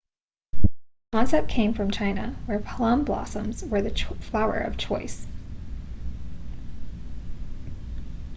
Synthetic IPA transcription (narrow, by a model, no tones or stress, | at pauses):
mɑ̃nsɛt̚kʰẽɪ̃ɱfɹʌ̃mt͡ʃʰãɪ̃nɨ̰wə˞pʰlɑ̃mblɑ̰sə̃mzwə˞ðɨflaʊə̰˞ʔʌ̰v̥t͡ʃʰɔɪs